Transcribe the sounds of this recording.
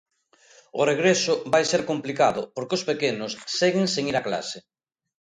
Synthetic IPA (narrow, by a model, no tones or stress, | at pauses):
ʊreɣɾesʊβajseɾkomplikaðʊpoɾkeospekenʊsseɣɪŋseŋiɾakla̰se